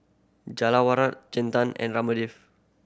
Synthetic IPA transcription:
d͡ʒalawaɾat̪̚d͡ʒɛ̃nt̪ãnɛ̰̃nramədif

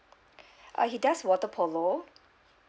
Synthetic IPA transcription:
ʔa̰ɦidaswɔtəpʰolo

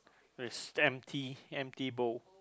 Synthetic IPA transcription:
wɪsɛ̃mtʰiɛ̃mtibo

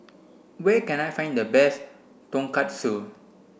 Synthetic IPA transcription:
wɛkɛ̃najfãj̃ndəbɛs | tɔ̃ŋkat̚su

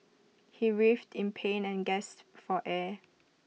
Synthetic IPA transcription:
hiɹiftʰɪ̃npʰẽnɛ̃nɡɛstfɔʔɛ

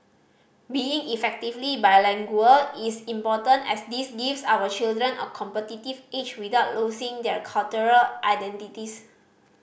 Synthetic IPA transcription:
biĩŋifɛk̚tivlibajlɛ̃ŋɡuəisĩmpɔtə̃ntɛ̰sdisɡifsawət͡ʃildɹə̃nɔ̰kʰɔ̃mpətitivet͡ʃwidaʊt̚losĩŋdɛkʰalt͡ʃuɹəlʔajdɛ̃ntitis

